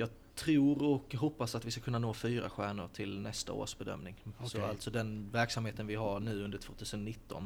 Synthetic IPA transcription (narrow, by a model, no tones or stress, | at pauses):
jɑːɡ | t̪ʰɾuːɾɔkɦɔpːasat̪vɪskakʰɵnːanoːfyːɾa̰ɧæːɳʊ̰ɾʈʰɪlnɛst̪a̰o̰ːʂbɛd̪œ̰mnɪŋsɔalt̪sɔd̪ɛnvæɾksamheːt̪ənvɪɦaɾɳʉ̟ːɵnd̪əʈʰvoːt̪ʰʉːsənɔnɪt̪ːɔ̰n